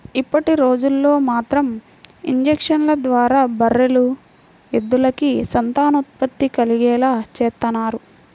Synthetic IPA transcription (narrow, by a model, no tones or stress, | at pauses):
ipːɐʈiɾo̞ːd͡ʒulːo̞ːmaːt̪ɾɐm | iɲd͡ʒekʂɐnlɐd̪ʋaːɾaːbɐɾːelu | ed̪ːulɐkisɐnt̪aːnut̪̚pɐt̪ːikɐliɡɛːlaːt͡ʃɛːt̪ːɐnaːɾu